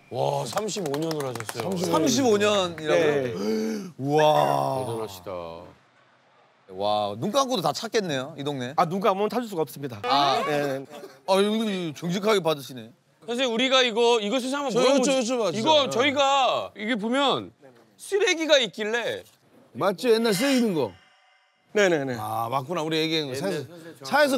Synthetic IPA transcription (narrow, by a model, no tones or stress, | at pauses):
wasʰamɕ̬ʰiboɲʌnɯɾɦaɕʰʌs͈ʌjomsʰamɕ̬ʰiboɲʌniɾaɡo | adoaɕ͈ʰi̥da̰ | wa̰nuŋk͈aŋɡodotat͡ɕʰak͈e̞nːe̞joidoŋne̞anuɡaːmʌntʰad͡ʑuɭs̬͈uɡaʌop̚s͈ɯmɲidaa | at͡ɕoŋɕ̬ʰikʰaɡe̞padɯɕʰine̞ | sʰaɕ̬ʰiɾuɾiɡaiɡʌiɡʌsʰes̬ʰaambʌooaiɡʌt͡ɕʌiɡaiɡep̬omjʌn | sʰɯɾeɡiɡaik͈iɭːe̞ | mat͡ɕ͈ijenːaɭs̬͈ɯeinɯnɡʌ | ne̞ne̞neamak͈unauɾijeɡianɯnɡʌaesʰʌsʰaes̬ʰʌ